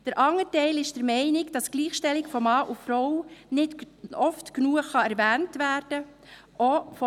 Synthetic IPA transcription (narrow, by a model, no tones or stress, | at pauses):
d̥əɾʔɑŋːətɛɪlɪʃd̥əɾmɛɪnɪɡd̥ɑsɡ̥liːχʃtɛlɪkfɔmɑːʔufɾɔwnɪt | ɔftknuːəχɑɛɾvæːntʋæːɾd̥ə | ʔɔfɔ